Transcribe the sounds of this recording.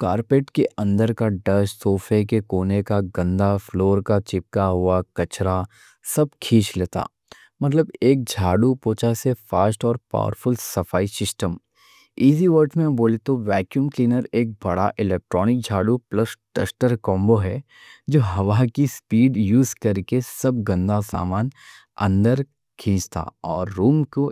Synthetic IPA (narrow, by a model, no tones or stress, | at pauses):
kaːɾpeːʈkeɐ̃nd̪əɾkaɖɐʃsoːfʰekekoːnekaɡɐ̃nd̪ʱafloːɾkat͡ʃɪp̚kaɦʊakɐt͡ʃɾa | sɐb̚kʰiːt͡ʃleːt̪a̰ː | mɐt̪̬ləbeːk̚d͡ʒʱaːɖupoːt͡ʃasefaːsʈɔːɾpa̰ːʋə̰ɾfʊlsɐfaːisɪsʈəm | iːziʋəɾʈʰmẽboːlet̪oʋɛːkjuːmkliːnəɾeːk̚bɐɽa̰ʔɪlɛːk̚ʈɾɔːnɪk̚d͡ʒʱaːɽuplɐsʈɛ̰sʈəɾkɔ̃ːmboɦɛ | d͡ʒoːɦɐʋakispiːɖjuːzkɐɾkesɐb̚ɡɐ̃nd̪asa̰ːmaːn | ɐ̰̃nd̪əɾ | kʰĩːt͡ʃt̪a̰ɔːɾːuːmko